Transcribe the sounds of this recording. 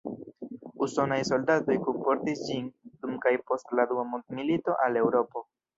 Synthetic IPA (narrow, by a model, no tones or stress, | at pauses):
uso̞najso̞ldato̞jkumpo̞ɾtisd͡ʒindumkajpo̞stladuamumilito̞ʔale̞wɾo̞po̞